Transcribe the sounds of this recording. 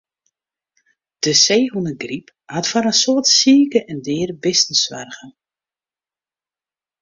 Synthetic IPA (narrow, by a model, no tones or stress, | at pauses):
d̥əseːɦunəɡrip | hatfaɾənsoətsiːkəʔɛndɪːrbɪsəsʋɛ̰rɣə